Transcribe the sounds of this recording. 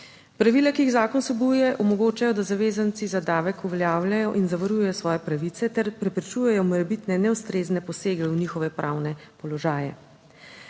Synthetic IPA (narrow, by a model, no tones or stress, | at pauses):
pɾaʋilakixzaːkɔnsɛbujɛʔɔmɔɡoːt͡ʃajɔd̪azaʋeːzant̪sizad̪aːʋɛkuʋɛljaːwlajɔʔinzaʋɐɾujɛjɔsʋɔːjɛpɾaʋit̪sɛt̪ɛɾpɾɛpɾɛt͡ʃujɛjɔmɔɾɛbit̪nɛnɛwst̪ɾeːznɛpɔseːɡɛwnixɔʋɛpɾʔaːwnɛpɔlɔʒaːjɛ̰